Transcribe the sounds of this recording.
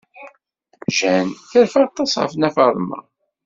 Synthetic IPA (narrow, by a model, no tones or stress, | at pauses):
ʒænθəɾfɑʁt̪ˤːɑsˤʁə̰fənæfɑɾˤmɑ̰